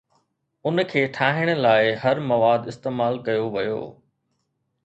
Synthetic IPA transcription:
ʊnkʰeːʈʰaːɦɪɽ̃ə̆laːɪɦɐɾmɐʋaːd̪ɪst̪eːmaːlkɐjoʋɐjo̰ː

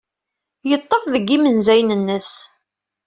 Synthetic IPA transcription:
jət̪ˤːəfðəɡːimənzæjnənːəs

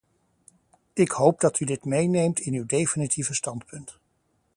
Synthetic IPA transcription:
ɪkhowp̚dɑtydɪtmejnejmtɪnywdejfinitʰivəstɑntpɵnt

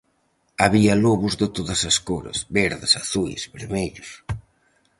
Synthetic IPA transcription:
aβiɐloβʊzðɪt̪oðɐsɐskoɾɐ̰sβɛɾðɪsaθujsβeɾmeʎʊs

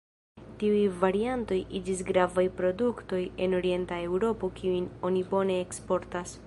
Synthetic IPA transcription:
tiujvaɾianto̞jʔid͡ʒis̬ɡɾavajpɾo̞dukto̞je̞no̞ɾie̞ntae̞wɾo̞po̞kʰiujno̞nibo̞ne̞ːkspo̞ɾtas

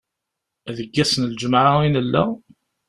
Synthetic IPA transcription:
æðəɡːæsənld͡ʒmʕainəlːæ̰

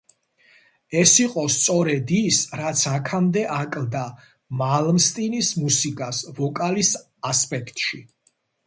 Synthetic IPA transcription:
ɛsiqʼɔst̪sʼɔɾɛd̪isɾat̪sʰakʰamd̪ɛʔakʼlˠd̪a | malmst̪ʼinismusikʼasvɔkʼalis | aspʼɛkʰt̪ʼʃḭ

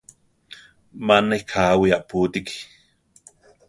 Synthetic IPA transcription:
manekʰaːwiaʔpuːt̪iki

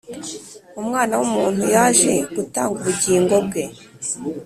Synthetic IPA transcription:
umŋaːnawumuːn̥hujaːʒe̞ɡutaːŋɡuβuɟiːŋɡo̞b̚ɡe̞

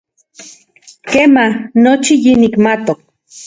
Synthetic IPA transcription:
keːmahnot͡ʃijinikmat̪ok̚

